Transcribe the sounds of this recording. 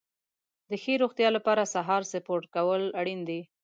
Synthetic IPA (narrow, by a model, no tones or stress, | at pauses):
d̪əxeɾoxt̪jɑlapɑɾasaɦɑɾsɪpoɾʈ̚kawəlaɽind̪i